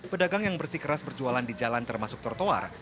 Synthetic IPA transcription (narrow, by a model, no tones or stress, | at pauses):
pədaɡaŋjaŋbərsikəɾasbərd͡ʒualandid͡ʒalant̪ərmasʊk̚t̪ɔrt̪oa̰r